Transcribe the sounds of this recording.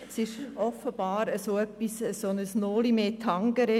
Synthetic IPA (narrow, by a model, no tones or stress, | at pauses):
sɪʃɔfːəb̥ɑːɾəsoœpːisəsonəsnoːlimeːt̪ʰɑŋɡ̥əɾe